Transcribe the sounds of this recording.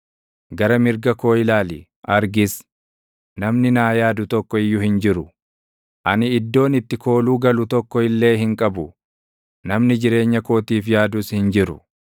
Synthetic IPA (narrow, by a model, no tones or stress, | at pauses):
ɡɐɾɐmɪɾɡɐko̞ːɪlaːlɪ̰ | ʔɐɾɡɪs | nɐmnɪnaːjaːd̪ʊt̪ɔkːɔɪjːʊhɪnd͡ʒɪɾʊ | ʔɐnɪːd̪ːo̞ːnɪt̪ːɪkʰo̞ːluːɡɐlʊt̪ɔkːɔɪlːe̞ːɦɪŋkʼɐbʊ | nɐmnɪd͡ʒɪɾe̞ːɲːɐko̞ːt̪iːfjaːd̪uːshɪnd͡ʒɪɾʊ̰